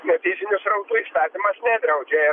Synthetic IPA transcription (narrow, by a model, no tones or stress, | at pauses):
nʲɛt̪ʲiːzʲɪnʲʊsɾɐʊt̪uːiːst̪ɑːt̪ʲimɐsnʲɛd̪ʲɾɐʊd͡ʒʲɛːjɛ